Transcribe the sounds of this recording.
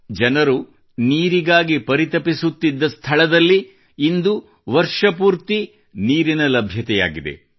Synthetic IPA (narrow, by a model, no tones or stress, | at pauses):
d͡ʒɐnɐɾu | niːɾiɡaːɡipɐɾit̪ɐpisut̪ːid̪ːɐst̪ʰɐɭɐd̪ɐlːiː | nd̪u | ʋɐɾʂɐpuːɾt̪i | niːɾinɐlɐbʱjɐt̪ɛja̰ːɡid̪e̞̰